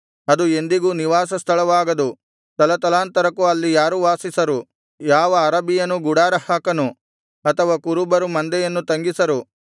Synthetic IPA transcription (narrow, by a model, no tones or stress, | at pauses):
ɐd̪ue̞nd̪iɡuːniʋaːs̬ɐst̪ʰɐɭɐʋaːɡɐd̪u | t̪ɐlɐt̪ɐlaːnt̪ɐɾɐkːuɐlːijaːɾuʋaːsisɐɾu | jaːʋɐːɾɐbijɐnːuɡuɽaːɾɐhaːkɐnu | ɐt̪ʰɐʋakuɾubɐɾumɐnd̪ɛjɐnːut̪ɐŋɡisɐɾu